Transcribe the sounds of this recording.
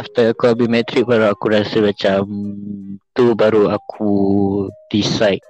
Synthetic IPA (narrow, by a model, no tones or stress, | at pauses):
aft̪əakuabimɛt̪ɾik̚baɾuakuɾasəmat͡ʃam | t̪ubaɾuakʰu | d̥isajt̚